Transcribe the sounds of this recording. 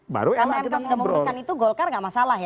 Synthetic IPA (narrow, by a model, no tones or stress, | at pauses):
ba̰ɾuanaɛmkasudamɔuskanit̪uɡɔlkarŋɡaʔmasalahja